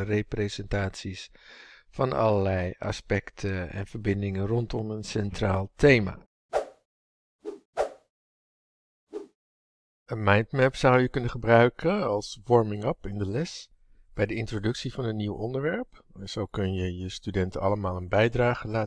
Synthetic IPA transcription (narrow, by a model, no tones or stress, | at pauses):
rejprezɛntaːtsis | fɑnɑ̰ləlɛjɑ̰spɛktʰəɛ̰nv̥əɹbɪndɪŋənrɔntɔmənsɛntraːlˠtejma̰ː | ənmɑjntmɛpsʌwjəkɵnəχəbrœɥkʰənɑlˠsʋɔɹmɪŋəpɪndəlɛs | b̥ɛjdəɪntrodɵksivɑnənːiwɔndəɹʋɛɹpɛnz̥owkɵnjəjəstydɛntəɑləmaːlˠənbɛjdraːχəlaː